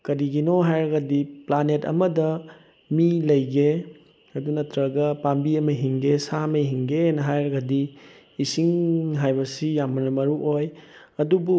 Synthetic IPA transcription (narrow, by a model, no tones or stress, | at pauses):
kɐɾiɡinoɦajɾɐɡɐdiplanetɐ̰mɐdɐ | milɐjɡe | ɐdunɐtɾɐɡɐpambiɐmɐɦiŋɡesamɐjɦiŋɡenɐɦajɾɐɡɐdiː | siŋɦajbɐsijamːɐnɐmɐɾuʔoj | ɐdubu